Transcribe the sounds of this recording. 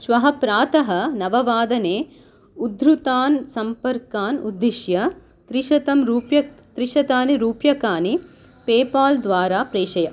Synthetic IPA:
ʃʋɐɦɐpɾaːt̪ɐɦɐ̆nɐʋɐʋaːd̪ɐneː | ud̪ɾut̪aːnsɐmpɐɾkaːnud̪ːiʃjɐ | t̪ɾiʃɐt̪ɐmɾuːpjɐt̪ɾiʃɐt̪aːniɾuːpjɐkaːni | peːpaːld̪ʋaːɾaːpɾeːʃɐjɐ

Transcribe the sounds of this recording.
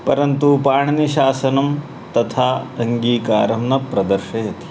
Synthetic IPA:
pɐɾɐnt̪upaːɳɐniʃaːsɐnɐm | t̪ɐt̪ʰaːɐŋɡiːkaːɾɐmnɐpɾɐd̪ɐɾʃɐjɐt̪i̥

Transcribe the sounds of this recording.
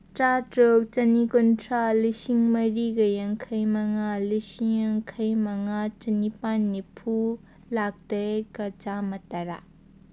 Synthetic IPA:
t͡ʃatɾok̚t͡ʃɐnikontʰɾalisiŋmɐɾiɡɐjɐŋkʰɐjmɐŋalisiŋjɐŋkʰɐjmɐŋat͡ʃɐnipanːipʰu | lak̚tekɐt͡ʃamɐtaɾa̰

